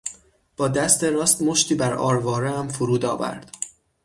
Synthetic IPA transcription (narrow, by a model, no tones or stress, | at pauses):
b̥ɒːd̪æst̪eɾɒːst̪mo̞ʃt̪ʰiːbæɾʔɒ̰ːɾvɒːɾeæmfuɾuːd̪ɒːvæ̰ɾd̪̥